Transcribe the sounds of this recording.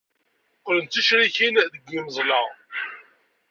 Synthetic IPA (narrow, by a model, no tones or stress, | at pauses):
qːlənt̪iʃɾiçinðəɡʷːiməzˤlɑʁ